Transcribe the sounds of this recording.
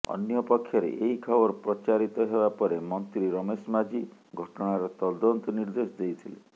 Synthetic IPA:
ɔ̰njɔpɔkʰːjɔɾḛʔeɦikʰɔbɔɾpɾɔt͡ʃaɾit̪ɔɦebapɔɾemɔnt̪ɾiɾɔmesmad͡ʒiɡʱɔʈɔɽ̃aɾɔt̪ɔd̪ɔnt̪ɔniɾd̪esɔd̪ejt̪ʰilḛ

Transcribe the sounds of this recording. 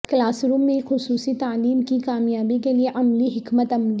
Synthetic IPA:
klaːsɾũːmːẽxʊsuːsit̪aːliːmkikaːmjaːbikelieʔɐmliɦɪkmət̪ɐml

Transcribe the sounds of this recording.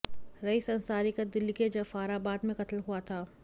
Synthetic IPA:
ɾɐisɐ̃nsaːɾikad̪ɪlːiked͡ʒɐfaːɾabaːd̪mẽqɐt̪lɦuat̪ʰaː

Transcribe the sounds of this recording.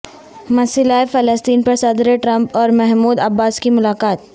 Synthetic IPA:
mɐsɪlaːefɐləst̪iːnpɐɾsɐd̪ɾeʈɾɐ̃mpɔːɾmɛɦmuːd̪ɐbːaːskimʊlaːkaːt̪̚

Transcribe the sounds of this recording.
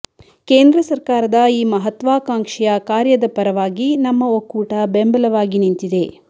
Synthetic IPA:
keːnd̪ɾɐsɐɾkaːɾɐd̪ɐiːmɐɦɐt̪ʋaːkaːŋkʂɛjɐkaːɾjɐd̪ɐpɐɾɐʋaːɡinɐmːɐokːuːʈɐbembɐlɐʋaːɡinint̪id̪e̞

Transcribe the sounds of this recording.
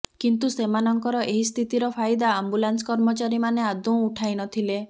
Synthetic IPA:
kint̪usemanɔŋkɔɾɔʔeɦist̪ʰit̪iɾɔpʰajd̪aːmbulanskɔɾmɔt͡ʃaɾimanead̪ũuʈʰajnɔt̪ʰile

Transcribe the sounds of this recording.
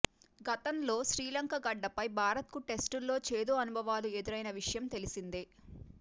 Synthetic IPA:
ɡɐt̪ɐmlo̞ːʃɾiːlɐŋkɐɡɐɖːɐpɐjbʱaːɾɐt̪̚kuʈe̞sʈulːo̞ːt͡ʃeːd̪oːɐnubʱɐʋaːlue̞d̪iɾɐjnɐʋiʂɐjɐmt̪e̞lisind̪e

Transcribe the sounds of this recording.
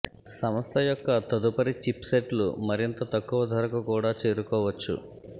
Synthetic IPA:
sɐmɐst̪ʰɐjɔkːɐt̪ɐd̪upɐɾit͡ʃipseʈlṵmɐɾint̪ɐt̪ɐkːuʋɐd̪ʱɐɾɐkukuːɽaːt͡ʃe̞ːɾukɔːʋɐt͡ʃːṵ

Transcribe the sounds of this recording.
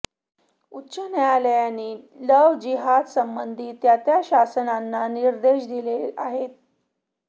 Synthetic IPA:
utːɕənɛaləjaniːləʋd͡ʑiɦad̪səmbənd̪ʱiːt̪jat̪jaɕasənanːaniɾd̪eɕd̪ileaɦet̪̚

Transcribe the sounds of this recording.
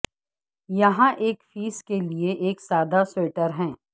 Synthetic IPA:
jɐɦãʔeːkfiːskelieʔeːksaːd̪aseːʈəɾɦɛ̃ː

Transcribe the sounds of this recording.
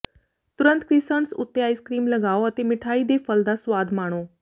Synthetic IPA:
t̪uɾənt̪kɾisəɳsṵt̪ːjaiskɾiːmləɡaʋoət̪emiʈʰaiːd̪efəld̪asʋad̪maɽ̃o

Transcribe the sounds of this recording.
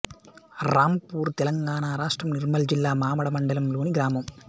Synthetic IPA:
ɾaːmpuːɾt̪ɛlɐŋɡaːɳaːɾaːʂʈɾɐmniɾmɐld͡ʒilːaːmaːmɐɽɐmɐɳɖɐlɐmloːniɡɾaːmɐm

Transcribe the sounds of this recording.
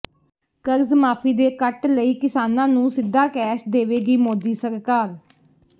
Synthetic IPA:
kəɾzmaːpʰiːd̪eːkəʈləiːkɪsaːnãːnũːsɪd̪ːaːkɛːʃd̪eːʋeːɡiːmoːd̪iːsəɾkaːɾ

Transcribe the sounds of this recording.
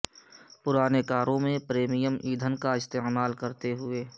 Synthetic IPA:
pʊɾaːnekaːɾõmẽpɾeːmijəmʔiːd̪ʱənkaɪst̪eːmaːlkɐɾt̪eɦʊeː

